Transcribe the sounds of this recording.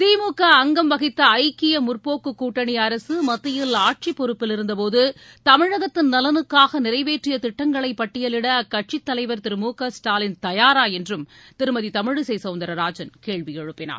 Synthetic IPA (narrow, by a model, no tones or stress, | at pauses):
t̪iːmuːkɐːŋɡɐmʋɐɣɪt̪ːɐɐɪkːɪjɐmʊrpoːkːɯkːuːʈːɐɳiɐɾɐsɯmɐt̪ːɪjɪlaːʈ̚t͡ʃipːɔɾɯpːɪlɪɾɯnd̪ɐpoːðɯ | t̪ɐmɪɻɐɣɐt̪ːɪnnɐlɐnɯkːaːɣɐnɪɾɐɪʋeːʈrɪjɐt̪ɪʈːɐŋɡɐɭɐɪpːɐʈːɪjɐlɪɽɐkɐʈ̚t͡ʃɪt̪ːɐlɐɪʋɐɾt̪ɪɾɯmuːkɐsʈaːlɪnt̪ɐjaːɾaːjɛndrɯmt̪ɪɾɯmɐðit̪ɐmɪɻɯsɛjsɐʊnd̪ɐɾɐɾaːd͡ʒɐnkeːɻʋijɛɻɯpːɪna̰ːɾ